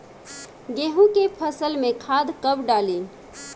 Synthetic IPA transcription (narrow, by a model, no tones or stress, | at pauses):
ɡeɦũkepʰəsəlmẽkʰad̪kəbɖali